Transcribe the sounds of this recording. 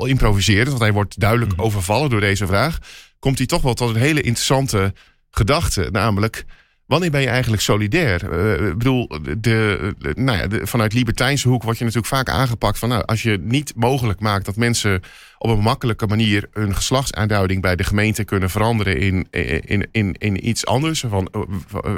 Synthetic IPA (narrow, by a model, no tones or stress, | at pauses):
lˠɪmprovizɪːrəntʋɑntɦɛjʋɔɹtdœɥdələkowvəɹvɑlˠədʊːdejzəvraːxkɔmtitɔχʋɛlˠtɔtənɦeːləʔɪntərəsɑntə | χədɑxtə̰naːmələk | ʋanɪːɹbɛnjəɛjɣən̩tləksowlidɛːrbədulˠdənaja̰fɑnœɥtlibəɹtɛjnsəhukʋɔɹtjənatyːləkfaːka̰ːnχəpɑk̚tfɔnːa̰wʔɑ̰sjənitmoːχələkmaːk̚t̚d̥ɔtmɛnsə | ʔɔpənmɑkələkəmaniːrhønχə̥slɑxtsa̰ːndœɥdɪŋbɛjdəχəmejntəkønənvəɾɑndəɾəɪn | ɪnɪnisɑ̰ndəɹsfɑn